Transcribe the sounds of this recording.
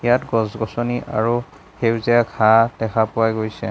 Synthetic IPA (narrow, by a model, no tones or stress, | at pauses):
jatɡɔsɡɔsɔniʔa̰ɹu | hewziakʰad̥ɛxʰapʊwajɡojsɛ̰